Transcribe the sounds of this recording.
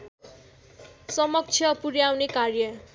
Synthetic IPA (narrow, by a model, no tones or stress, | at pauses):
sʌmʌk̚t͡sʰjʌpuɾjawnekarjʌ